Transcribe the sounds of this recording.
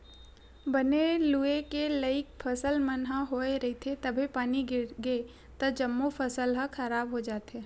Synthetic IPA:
bəneluekeləɪk̚pʰɐsəlmənɦaɦoːeɾɐit̪ʰet̪ɐbʱepaːniɡɪɾɡe | t̪ɐd͡ʒɐmːopʰəsəlɦə̃kʰɐɾaːbɦod͡ʒaːt̪eː

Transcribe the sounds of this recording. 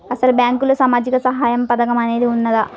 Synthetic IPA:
ɐsɐlubjaːŋkulosaːmaːd͡ʒikɐsɐɦaːjɐmpɐd̪ɐkɐmɐne̞ːd̪iunːɐd̪ɐ

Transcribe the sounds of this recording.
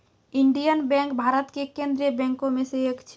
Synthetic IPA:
iɳɖijənbɛ̃ŋkbʱaːɾət̪kekẽnd̪ɾijəbɛ̃ŋkõmeseekt͡ʃʰ

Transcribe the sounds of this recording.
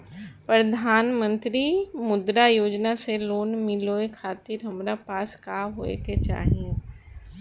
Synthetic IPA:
pɾɐd̪ʱaːnmə̃nt̪ɾimʊd̪ɾajoːd͡ʒnaseloːnmɪloekʰaːt̪ɪɾɦɐmɾapaːskaːɦoːḛket͡ʃa̰ːɦiẽ

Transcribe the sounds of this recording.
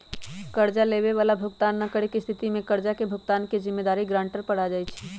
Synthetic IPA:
kəɾd͡ʒaleβeʋaːlabʱʊɡt̪aːnːakəɽekist̪ʰit̪imẽkəɾd͡ʒakebʱʊɡt̪aːnkezɪmːed̪aːɾiɡɾãːɳʈəɾpəɽ̤ad͡ʒajt͡ʃʰi

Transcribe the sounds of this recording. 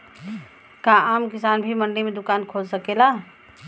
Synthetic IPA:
kaaːmkɪsaːnbʱiməɳlimẽd̪ʊkaːnkʰoːd͡ʒsəkela

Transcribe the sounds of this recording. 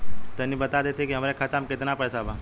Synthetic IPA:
t̪ɛnːibət̪ad̪et̪ekiɦəmɾekʰat̪amket̪napəsaba

